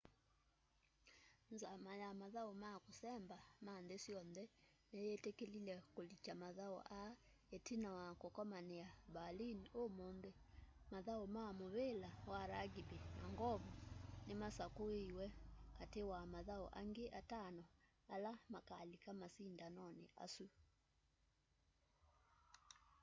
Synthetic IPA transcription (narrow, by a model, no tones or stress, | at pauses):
nzamajamaðaomakosɛmbamandesjɔnðɛ | nejetekelilɛkolit͡ʃamaðao̰ʔa | etinawakokɔmaneabaliniomondemaðaomamoβelawaɾaɡibenaŋɡɔβunemasakoeiwɛkatewamaðaoʔa̰ŋɡeʔatanɔ | alamakalikamasindanɔnḛa̰su